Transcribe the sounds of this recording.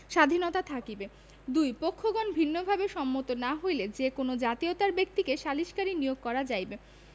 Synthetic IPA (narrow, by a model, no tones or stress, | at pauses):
ʃad̪ʱinot̪at̪ʰakibe | d̪ujpokʰːoɡɔnbʱinːobʱabeʃɔmːot̪onaɦojled͡ʑekonod͡ʑat̪iot̪aɾbek̚t̪ikeʃaliʃkaɾinijoɡ̚kɔɾad͡ʑajbe